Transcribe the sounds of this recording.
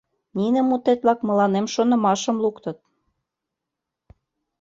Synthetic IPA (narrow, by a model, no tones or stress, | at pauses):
ninə̆mut̪et̪̚βlɑkmə̆lɑnemʃonə̆mɑʃə̆mlukt̪ə̆t̪̚